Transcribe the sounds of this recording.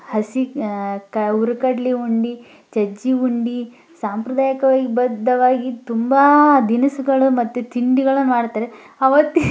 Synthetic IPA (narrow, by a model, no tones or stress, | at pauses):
hɐsikɐuɾɐkɐɽliuɳɖi | t͡ʃɐd͡ʒiuɳɖi | saːmpɾɐd̪aːjɐkɐʋaːɡibɐd̪ʱːɐʋaːɡit̪umbɐd̪inɐsuɡɐɭumɐt̪ːut̪iɳɖiɡɐɭɐmaːɽt̪ːaːɾe | ɐʋɐt̪ːi